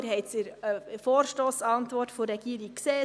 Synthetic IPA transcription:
ɾhɛɪt̪siɾəfoːɾʃtoːsɑnt̪ʋɔrtforɛɡ̥iəɾik̚kseː

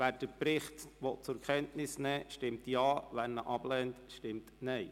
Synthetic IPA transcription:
ʋæːɾd̥əpɾɪχtʋɔt̚t͡sʊɾkʰɛntnɪsnɛːʃtɪmtjɑːʋænnːəʔɑb̥lɛntʃtɪmtnɛɪ

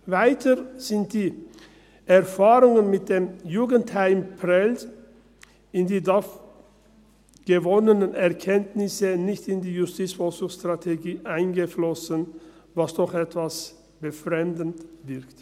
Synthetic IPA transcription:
vaɪtʰəz̥ɪnt̚d̥iː | ʔɛɐfaːʁʊŋənmɪt̚d̥eːmjuːɡənthaɪmpʰʁɛlt | ɪndiːdaf | ɡ̥əvɔnənənɛɐkʰɛntnɪsənɪçtɪndiːjʊstʰiːt͡sfɔlsʊŋstʁ̥atʰeɡiːʔaɪnɡəflɔsənvasd̥ɔχɛtv̥as | b̥əfʁɛmdn̩tvɪʁkt

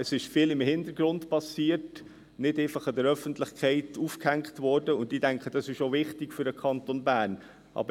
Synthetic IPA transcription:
əsɪʃfiːlɪmhɪndəɾɡ̥ɾʊndpɑsiːət | nɪdɛɪfɑχɑdəɾœfəntlɪχkʰɛɪtufkhæŋkχtvɔɾdəʊndidæŋkχəd̥ɑsɪʃovɪχtɪɡfyɾəkʰχɑntonbæːɾn | ʔɑ̰bə

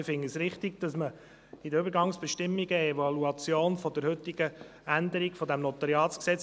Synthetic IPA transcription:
ɪfɪŋəsɾɪχt̪iɡd̥ɑsmə | id̪əʏbəɾɡɑŋsb̥ɛʃtɪmːiɡəevɑluɑt͡sjoːnfɔd̥̪əɾhɵt̪iɡ̥əænd̪əɾiɡfɔd̪æmnɔt̪ɑɾiɑːtsksɛt͡s

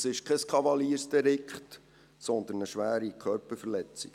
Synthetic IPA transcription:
sɪʃkʰɛskʰɑvɑliːəɾsd̥̪ɛɾɪkχt | sɔnd̪ənəʃʋæːɾikʰχœɾpəfəlɛt͡sḭ̥

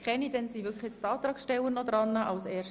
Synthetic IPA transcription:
kχɛnid̥̪ɛnsivʏkχɪt͡st̪ɑːt̪ɾɑːkʃtɛwənɔd̪ɾɑnːɑʔɑwsɛːʃ

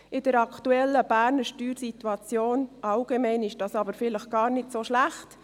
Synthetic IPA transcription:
ɪd̥əɾɑktuɛlːəb̥æːɾnəʃtyːɾsitwuɑt͡sjoːnɑlɡ̥emɛɪnɪʃd̥ɑːsɑbəɾfɪləχɡ̥ɑːɾnɪdsoːʃlæχt

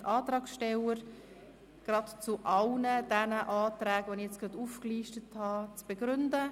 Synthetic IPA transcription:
ʔɑːtɾɑːksʃtɛləɾ | ɡ̥ɾɑtt͡suʔɑlnəd̥ɛnəʔɑːtɾɛːɡvonɪxjɛt͡sɡ̥ɾɑduːfkliːʃtəthɑt͡sb̥ɛɡɾʏndə

